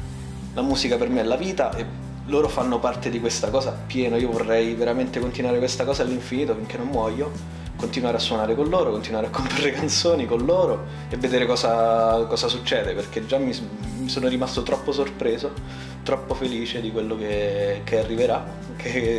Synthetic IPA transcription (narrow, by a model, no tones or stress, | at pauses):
lamuːzikapermeɛlːaviːt̪aʔe | loːɾofanːopart̪ed̪ikwest̪akɔːzapjɛːnoiovorːɛjveɾament̪ekont̪inwaːɾekwest̪akɔːzalːiɱfiniːt̪ofiŋk̟enːommwɔjːo | kont̪inwaːɾeasːwɔnaːɾekonloːɾokont̪inwaːɾeakːomparːekant̪soːnikonloːɾo | evːed̪eːɾekɔːzakɔːzasut͡ʃːɛːd̪eperk̟ed͡ʒːamːi | misoːnoɾimast̪ot̪ɾɔpːosorpɾeːzo | t̪ɾɔpːofeliːt͡ʃed̪ikwelːokekearːiveɾa | kʰe